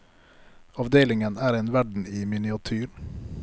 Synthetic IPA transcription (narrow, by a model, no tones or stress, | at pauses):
ɑʋd̪eːlɪŋənæːɾeːnʋæɖɳ̩iːmɪnɪɑt̪ʰyːɾ